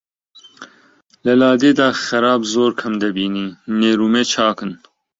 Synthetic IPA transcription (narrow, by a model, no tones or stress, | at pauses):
lɐlaːd̪eːd̪aːxɛɾaːbzoːɾkʰɐmd̪ɐbiːniːneːɾuːmeːt͡ʃʰaːkɨn